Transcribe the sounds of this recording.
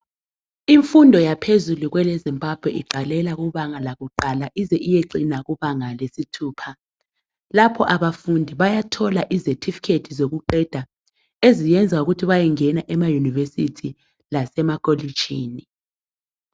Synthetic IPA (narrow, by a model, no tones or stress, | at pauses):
iɱfundʱɔjapʰezuluɣwɛlezimbʱab̥ʱwɛiǃalɛlaɣuβaŋalaɣuǃalaʔizɛʔijeǃinaɣuβaŋalesitʰuːpʰa | lapʰɔʔaβafundʱiβajatʰɔlaʔizetʰifi̥kʰedʰizoɣuǃɛd̥ʱa | ezijɛnd͡zʱauɣutʰiβajɛŋɛnaʔɛmajunivesitʰi | lasɛmakʼolid̥ʒ̥ʱḭːni